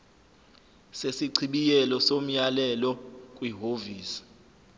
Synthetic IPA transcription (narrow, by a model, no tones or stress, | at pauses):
sesiǀʰiɓijɛlɔsom̩jalɛlɔkʼwiɦoviːsi̥